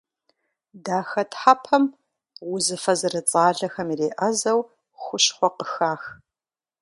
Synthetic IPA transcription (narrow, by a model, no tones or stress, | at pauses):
daːxɐtħapʰɐm | wʊzɨfɐzɨrɨt͡sʼaːɮɐxɐmireːʔɐzɐw | xʷʊʃχʷɔqəxaːx